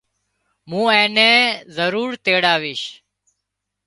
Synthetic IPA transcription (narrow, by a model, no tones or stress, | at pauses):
mũːẽːnẽːzəɾuːɾt̪eːɽaːʋɪːʃ